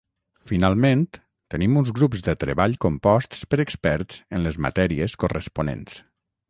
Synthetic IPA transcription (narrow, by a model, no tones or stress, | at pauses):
finalˠmẽnt̪ | t̪ənimunzɣɾupzd̪ət̪ɾəβaʎkompɔst̪spəɾəkspɛɾtz̥ənləzmə̰t̪ɛɾiəskorəspunḛns